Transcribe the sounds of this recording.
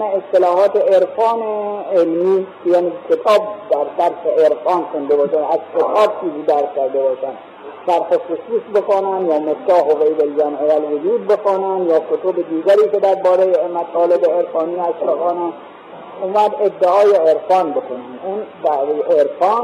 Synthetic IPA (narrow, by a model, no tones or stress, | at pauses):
mæest̪elɒːɦɒːt̪eeɾfɒːneelmiːkejaːnikʰet̪ʰɒːb̚d̪æɾd̪æɾseeɾfɒːnkond̪ebɒːʃænæzkʰet̪ʰɒːb̚t͡ʃʰiːziːd̪æɾskʲæɾd̪ebɒːʃænd̪ | sæɾxoxʊsuːsbekonænd̪jɒːmok̚t̪ːæɦoɣeib̪eld͡ʒæmʔevælʋod͡ʒuːd̪̚bexonænd̪jɒːkʰot̪ʰobed̪iːɡʲæɾiːked̪æɾbɒːɾejemæt̪ʰɒːlebeeɾfɑːniːæʃbexɑːnæn | uːmæd̪ed̪ːeɒːjeeɾfɒːnbekʰonæmuːnd̪æejʔeɾfɒːn